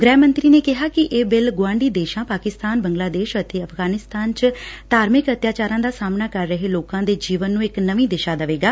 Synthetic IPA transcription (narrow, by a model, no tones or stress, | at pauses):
ɡɾɛːmə̃nt̪ɾiːneːkɪɦaːkɪʔeːbɪlɡʊãːɳɖiːd̪eːʃãːpaːkɪst̪aːnbəŋɡlaːd̪eːʃət̪eːəpʰɡaːnɪst̪aːnt͡ʃd̪̥aːɾmɪkət̪jaːt͡ʃaːɾãːd̪aːsaːmnaːkəɾːəɦeːloːkãːd̪eːd͡ʒiːʋənːũːɪknəʋĩːd̪ɪʃaːd̪əʋeːɡaː